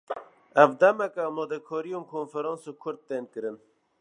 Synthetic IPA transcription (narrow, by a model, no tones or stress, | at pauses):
ɛvd̪ɛmɛkɛːmɑːd̪ɛkʰɔːɾijõːnkʰoːnfɛɾɑ̃ːnsokʰʊɾd̪̚t̪ːeːnkɨɾɨn